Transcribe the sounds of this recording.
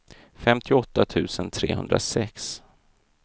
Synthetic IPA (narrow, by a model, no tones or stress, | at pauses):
fɛmt̪ʰɪɔt̪ːat̪ʰʉ̟ːsənt̪ʰɾeːɦɵ̰nd̪ɾa̰sɛks